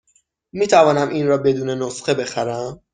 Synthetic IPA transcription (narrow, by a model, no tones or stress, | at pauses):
miːt̪ʰævɒːnæmʔiːnrɒːbe̞d̪uːne̞nosχe̞be̞xæɾæm